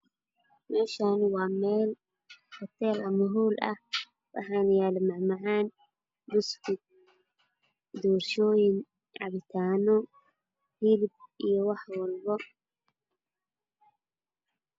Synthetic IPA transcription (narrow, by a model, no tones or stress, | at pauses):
mɛʃanwameːl | kɔt̪ːelɐmɐɦulɐ̰ | wa̰ħanjalmaʕmaʕan | bʊst̪ɪ | d̪uɾʃojɪn | ʕa̰βɪt̪ʰaːnɔ | hɪlb̚ʔijɔwaħwɔlbɔ